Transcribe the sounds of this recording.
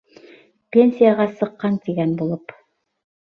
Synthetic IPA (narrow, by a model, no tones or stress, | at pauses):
pʲe̞nʲsʲijaʁɑsɤ̆qːɑnt̪iɡænbulˠɤp